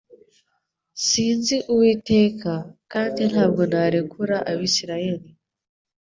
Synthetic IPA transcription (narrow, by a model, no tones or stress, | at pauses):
siːnziʔuwitekakaːndin̥haːbɡonaɾekʰuɾaʔaβisiɾajeli